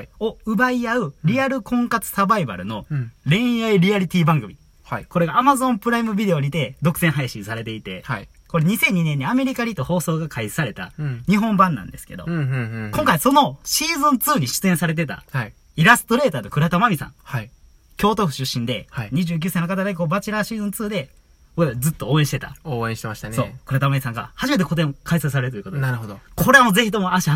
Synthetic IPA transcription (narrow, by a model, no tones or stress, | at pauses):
oɯ̟baiaɯ̟ɾʲiaɾɯ̟kõ̞ŋkat͡sɨ̥sabaiba̰ɾɯ̟no̞ɾẽ̞ɰ̃jaiɾʲiaɾʲit̪ʲiːbãŋɡɯ̟mʲi | ko̞ɾe̞ɡaːmazõ̞mpɯ̟ɾaimɯ̟bʲid̪e̞o̞ɾʲit̪e̞d̪o̞kɯ̟sẽɦaiɕĩɰsaɾe̞t̪e̞it̪e̞ | ko̞ɾe̞ɲ̟isẽ̞ɲ̟ːinẽɲ̟ːiame̞ɾʲikaɾʲit̪ːoho̞ːso̞ːɡakʰaisaɾe̞t̪a̰ɲ̟iɦõ̞mbãnːã̰nd̪e̞sɨ̥ke̞d̪o̞̰kõŋkaiso̞no̞ɕiːzɨ̃nt͡sɨːɲ̟iɕɨ̥t͡sɨẽsaɾe̞t̪̬e̞t̪a̰hai | iɾasɨ̥t̪o̞ɾe̞ːt̪aːnokɯ̟ɾat̪omamʲisã̰ŋhai | kʲo̞ːt̪oɸɯ̟ɕɨɕːĩnd̪e̞haiɲ̟iʑɨːk̬ʲɨːsainokat̪aɡaiko̞bat͡ɕiɾaɕiːzɨ̃nt͡sɨːd̪e̞ | zɨt̪ːo̞ːẽɕit̪e̞t̪a̰oːẽɕi̥t̪emaɕi̥t̪anso̞̰ːkɯ̟ɾat̪amamʲisãŋɡa̰haʑime̞t̪eko̞t̪̬ẽkaisas̬aɾe̞ɾɯt̪ojɯkot̪naɾɯɦod̪okʰo̞ɾe̞amo̞ze̞çit̪o̞mo̞aɕia